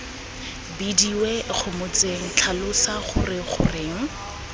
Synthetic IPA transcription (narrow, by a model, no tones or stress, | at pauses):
bidiwɛk͡xʰʊmʊt͡seŋ̩t͡ɬʰalʊsaχʊ̰rɪχʊ̰rɪːŋ̩